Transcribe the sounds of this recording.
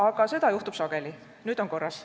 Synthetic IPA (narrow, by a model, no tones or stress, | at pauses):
ɑɡ̥ɑse̞d̪ɑjuht̪ub̥sɑɡ̥e̞li | nyːd̪̥o̞nko̞rːɑs